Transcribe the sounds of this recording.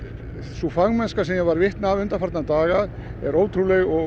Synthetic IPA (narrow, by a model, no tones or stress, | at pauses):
sufaɣmɛnskasɛmjɛɣvaɾvɪht̪navʏnt̪aɾfaɾt̪nat̪aːɣað | ɛ̰ɾoːwt̪ʰɾulɛɣɔ